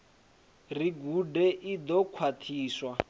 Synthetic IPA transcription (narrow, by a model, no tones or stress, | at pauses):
riɡudɛʔid̪ɔkʰwatʰiːswa